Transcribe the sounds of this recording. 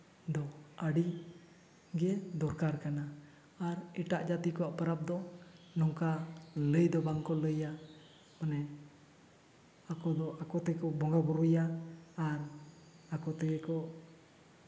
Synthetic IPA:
d̪ɔəɖi | ɡɛd̪ɔɾkaɾkanaː | ɾɛʈaʔd͡ʒat̪ikɔwaʔpəɾap̚d̪ɔnɔŋkaləjd̪ɔbaŋkɔləja | manɛ | akɔd̪ɔʔakɔt̪ɛɡkɔbɔŋɡabuɾujaː | ɾ | akɔt̪ɛɡɛkɔʔ

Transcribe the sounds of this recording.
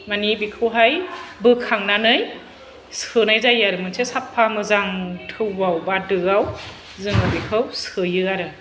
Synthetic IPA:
manibikʰɯwɦajbɯkʰaŋnanɯj | sɯnajzajaɾɯmɯnsʰesapʰːamɯzaŋtʰɯwːawbadɯɡaw | zɯŋɯbikʰɯwsɯjɯaɾɯ

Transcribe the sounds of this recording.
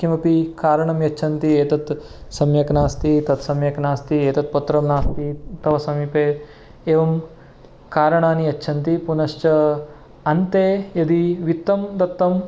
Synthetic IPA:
kimɐpikaːɾɐɳɐmjɐt͡ʃːt͡ʃʰɐnt̪ieːt̪ɐt̪sɐmjɐknaːst̪it̪ɐt̪sɐmjɐknaːst̪ieːt̪ɐt̪̚pɐt̪ːɾɐmnaːst̪it̪ɐʋɐsɐmiːpeː | eːʋɐm | kaːɾɐɳaːniɐt͡ʃːʃʰɐnt̪ipunɐʃt͡ʃɐ | ɐnt̪eːjɐd̪iʋit̪ːɐmd̪ɐt̪ːɐm

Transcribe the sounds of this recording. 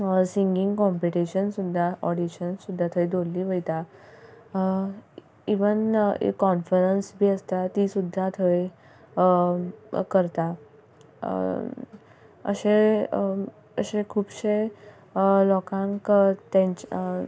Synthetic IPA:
siŋɡĩŋɡkɔmpiʈiɕənsud̪ʱːaʔɔɽiɕənsud̪ʱːat̪ʰəjd̪ʱolliːʋəjt̪a | iʋənḛkːɔnfəɾənsbʱiːəst̪at̪isud̪ʱːat̪ʰəj | kəɾt̪a | ə̰ɕe | əɕekʰuːbɕe | lɔkãŋkt̪ẽt͡ɕ

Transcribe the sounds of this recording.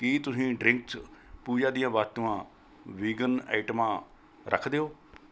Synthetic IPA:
kiːt̪ʊsĩːɖɾɪŋkspuːd͡ʒãːd̪ijãːʋaːt̪ːuːãː | ʋiːɡənɛ̰ːɪʈəmãː | ɾʔə̰kʰd̪eːɦoː

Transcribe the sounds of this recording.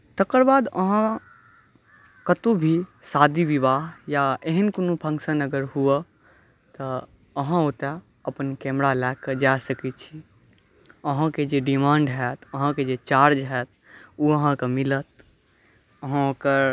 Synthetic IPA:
t̪əkəɾbaːd̪ə̰ɦã | kət̪ũbʱisad̪iʋiʋaːɦjaeɦənkonupʰə̃ŋksənəɡəɾɦuə | t̪ɔ | əɦãot̪ɛ | əpənkɛmɾalɛkːed͡ʒasəkit͡ʃʰi | əɦãked͡ʒeɖimãːɳɖɦɛt̪ʰəɦãked͡ʒet͡ʃaɾd͡ʒɦɛt̪̚ | uəɦãkemilət̪̚ | əɦãokəɾ

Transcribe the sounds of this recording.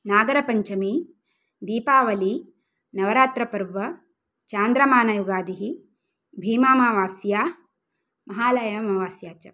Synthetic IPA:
naːɡɐɾɐpɐɲt͡ʃɐmi | d̪iːpaːʋɐli | nɐʋɐɾaːt̪ɾɐpɐɾʋɐ | t͡ʃaːnd̪ɾɐmaːnɐjuɡaːd̪iɦi | bʱiːmaːmaːʋaːsjaː | mɐɦaːlɐjɐmɐʋaːsjaːt͡ʃɐ̰

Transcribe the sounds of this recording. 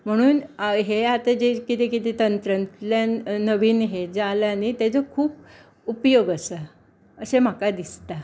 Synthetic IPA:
m̤əɽ̃uːnɦeat̪ad͡ʑekit̪ekit̪et̪ənt̪ɾənt̪ljanəʋiːnɦed͡zalanit̪jat͡səkʰuːp̚ | upjoɡəsə | əsem̤akad̪ist̪a

